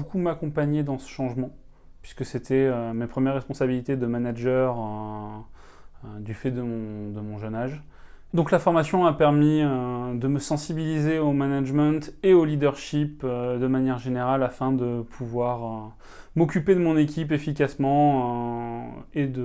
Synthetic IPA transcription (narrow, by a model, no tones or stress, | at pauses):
bokumakɔ̃paɲed̪ɑ̃sə̥ʃɑ̃ʒmɑ̃ | pɥiskəset̪ʰɛømepχəmjɛʁːɛspɔ̃sabilit̪ed̪əmanaʒœʁø | d̪yfɛd̪əmɔ̃d̪əmɔ̃ʒənaʒ | d̪ɔ̃klafɔʁmasjɔ̃apɛʁmiød̪əməsɑ̃sibilizeomanaʒmɑ̃t̪eolid̪œʁʃipød̪əmanjɛʁʒeneʁalafɛ̃d̪əpʰuvwaʁø | mɔkʲyped̪əmɔ̃nekʲʰipefikasmɑ̃ø | ed̪ə